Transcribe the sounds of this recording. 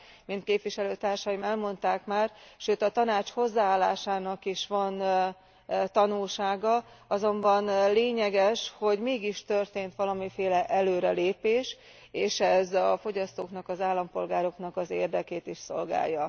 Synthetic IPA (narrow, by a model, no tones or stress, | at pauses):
mint̪̚keːpʋiʃɛløːt̪aːrʃɒjimɛlmo̞n̪t̪aːkmaːrʃøːt̪ɒt̪ɒnaːt͡ʃho̞zːaaːlːa̰ːʃaːnɒkiʃʋɒn | t̪ɒnulʃaːɡɒɒzo̞mbɒnleːɲɛɡɛʃho̞ɟmeːɡiʃt̪ørt̪eːnt̪ʋɒlɒmifeːlɛʔɛløːɾɛleːpeːʃ | eːʃɛzɒfo̞ɟɒst̪oːknɒkɒzaːlːɒmpo̞lɡaːɾo̞knɒkɒzḛːrd̪ɛkeːt̪iʃso̞̰lɡa̰ːjːɒ